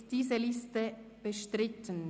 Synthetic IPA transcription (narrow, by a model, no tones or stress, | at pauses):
d̥iːzəlɪstə | b̥əʃtʁɪtʰən